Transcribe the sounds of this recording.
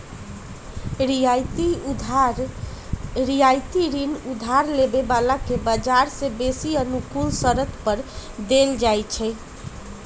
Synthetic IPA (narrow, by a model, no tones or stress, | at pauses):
ɾijt̪ | ɾijajt̪iɾinud̪ʱaɾlebebalakebəd͡ʒaɾsẽbesiənukulsəɾət̪pəɾd̪eld͡ʒajt͡ʃʰɛ